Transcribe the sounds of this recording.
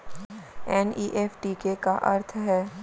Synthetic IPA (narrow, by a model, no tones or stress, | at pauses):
ɛːniːʔɛːfʈikekaʔɐ̰ɾt̪ʰɦɛː